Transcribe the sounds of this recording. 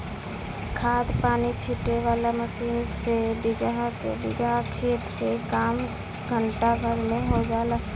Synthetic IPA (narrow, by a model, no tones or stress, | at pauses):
kʰaːd̪paːnit͡ʃʰiʈeʋalaməsiːnsebiɡɦkḛbiɡakʰet̪sekaːm | ɡʱəɳʈabʱəɾmeɦod͡ʒala